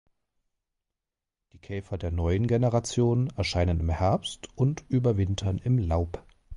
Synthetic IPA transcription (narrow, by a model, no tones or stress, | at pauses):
d̥iːkʰɛːfɐdeːɐnɔʏənɡenəʁat͡sjoːnɛɐʃaɪnənɪmhɛɐpstʊntʔyːbɐvɪntʰɐnɪmlaʊp